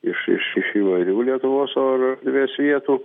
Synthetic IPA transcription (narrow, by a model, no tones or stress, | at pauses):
ɪʃɪ̰ʃɪʃiːʋɐɪɾʲuːlʲiɛt̪ʊʋoːsoːrd̪ʲʋʲeːsʋʲiɛt̪uː